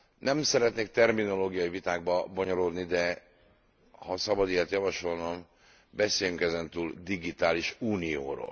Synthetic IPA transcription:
nɛmsɛɾɛt̪neːk̚t̪ɛrmino̞loːɡijɒjivit̪aːɡbɒbo̞ɲo̞ɾo̞d̪nid̪ɛ | hɒsɒbɒd̪iat̪jɒvɒʃo̞lnɒm | bɛseːjyŋkɛzɛnt̪uːld̪iɡit̪aːliʃuːnijo̰ːɾo̰ːl

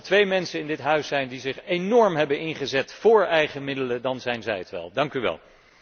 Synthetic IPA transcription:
tʋejmɛnsənɪndɪtɦœɥsɛjndizɪχenɔɹmɦɛbənɪnχəzɛtfʊːɹɛjχəmɪdələdɑnzɛjnzɛjətʋɛ̰lˠdɑŋkyʋɛ̰lˠ

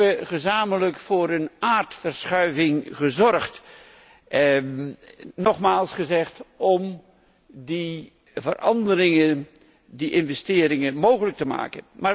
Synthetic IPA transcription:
əχəzaːmələkfʊːɾənaːɹtfərsχœɥvɪŋχəzɔrχt | nɔχmaːlˠsχəzɛχtɔm | di | vərʔɑndəɾɪŋə | diʔɪnvɛstɪːɾɪŋəmowχələk̚təma̰ːkə̰nmaː

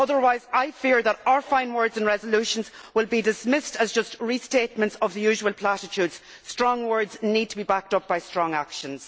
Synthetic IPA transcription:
ʌðə˞waɪzaɪfɪɹðəɾaə˞fãɪ̃nwɜ˞dzə̃nɹɛzəlʉʃə̃nzwɪlˠbidɪsmɪstʰəzd͡ʒʌstɹistet̚mə̃ntsəvðəjʉːʒəwəlˠpʰl̥aɾɪt͡ʃʰʉːdz̥ | stɹ̥ɔ̃ŋwɜ˞dznid̚tʰəbibak̚tʌp̚b̥aɪstɹ̥ɔ̃ŋakʃə̃nz̥

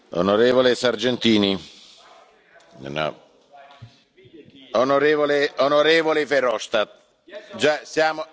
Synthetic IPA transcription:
o̰noɾeːvolesard͡ʒɛnt̪iːni | na̰ | onoɾeːvoleonoɾeːvolɪfeɾɔʃt̪at̪̚ | d͡ʒasjaːmo

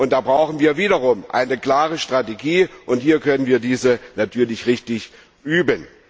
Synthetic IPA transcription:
ʔʊnt̚d̥aːbʁaʊxn̩viːɐviːdɐʁʊmʔa̰ɪnəkl̥aːʁəʃtʁ̥ateɡiːʔʊnthiːɐkʰœnənviːɐdiːzənatʰyːɐlɪçʁɪçtɪç | ʔyːbən

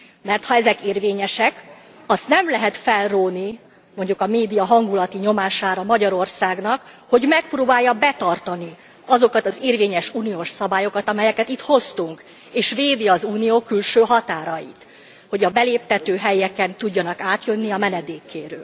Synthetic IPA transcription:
mɛrt̪hɒɛzɛkeːrveːɲɛʃɛk | ɒst̪nɛmlɛɦɛt̪fɛlroːni | mo̞ɲɟukɒmeːd̪ijɒɦɒŋɡulɒt̪iɲo̞maːʃaːɾɒmɒɟɒɾo̞rsaːɡnɒkho̞ɟmɛk̚proːbaːjːɒbɛt̪ɒrt̪ɒni | ɒzo̞kɒt̪ɒzeːrveːɲɛʃuːnijoːʃsɒbaːjo̞kɒt̪ɒmɛjɛkɛt̪it̪ho̞st̪uŋk | eːʃveːd̪iɒzuːnijoːkylʃøːɦɒt̪aːɾɒjḭt̪ | ho̞ɟɒbɛleːp̚t̪ɛt̪øːɦɛjɛkɛnt̪uɟːɒnɒkaːt̪jø̞nːiɒmɛnɛd̪eːkːḛːɾøːl

